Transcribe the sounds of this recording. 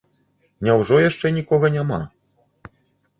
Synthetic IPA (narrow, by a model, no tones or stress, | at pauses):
nʲawʐɔjaʂt͡ʂɛnʲikɔɣɐnʲama̰